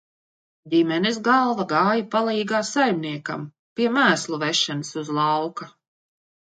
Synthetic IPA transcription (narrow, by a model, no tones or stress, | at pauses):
dʲimɛnisɡɑlˠvaɡɑːjapalˠiːɡaːsajmʲniɛka̰m | piɛmæːslˠuvɛʃanɨsuzlˠɑwka